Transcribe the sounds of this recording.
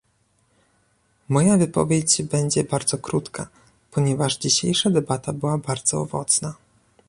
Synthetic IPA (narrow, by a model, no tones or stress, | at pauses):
mɔjavɘpɔ̰vʲjed͡ʑbɛɲd͡ʑɛbaɾd̪zɔkɾut̪ka̰ | pɔɲɛvaʐd͡ʑiɕejʂad̪ɛbat̪abɘwabaɾd̪z̥ɔɔ̰vɔ̰t̪sna